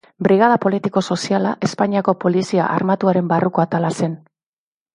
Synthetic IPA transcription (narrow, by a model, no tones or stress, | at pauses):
bɾiɣaðapo̞lit̪iko̞so̞sialaʔe̞spaɲiako̞po̞lisia̰ʔarmat̪uaɾe̞mbaruko̞at̪alase̞n